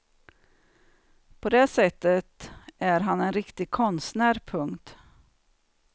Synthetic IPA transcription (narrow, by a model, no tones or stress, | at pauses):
pʰɔd̪eːsɛt̪ːət̪æɾɦanɛnɾɪkt̪ɪkʰɔnst̪næːɾpʰɵŋt̪